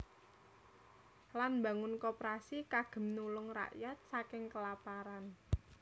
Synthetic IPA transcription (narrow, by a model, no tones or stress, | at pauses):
lanbä̤ŋʊnkopɾasikaɡ̥ə̤mnulʊŋra̰ʔjat̪̚sakɪŋkəlapaɾan